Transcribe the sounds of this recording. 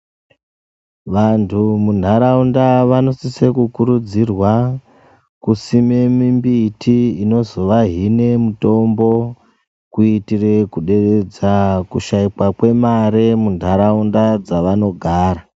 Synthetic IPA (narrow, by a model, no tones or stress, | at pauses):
ʋantʰumundʱaɾaundaʋano̞sise̞kukuɾud͡zirwa | kusime̞mimbitiino̞zo̞ʋaɦine̞muto̞mbo̞ | kuitire̞kuɗe̞red͡zakuʃaikwakwe̞maɾemundʱaɾaundad͡zaʋano̞ɡʱaːɾa